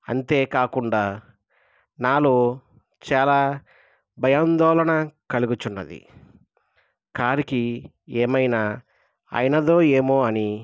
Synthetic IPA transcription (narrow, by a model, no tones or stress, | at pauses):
ɐ̰nt̪e̞ːkaːkuɳɖaː | naːloː | t͡ʃaːlaː | bʱɐjaːnd̪ɔːlɐnɐkɐluɡut͡ʃunːɐ̰d̪ḭ | kaːɾiki | eːmɐjnaː | a̰ːjɐnɐd̪o̞ːeːmoːɐni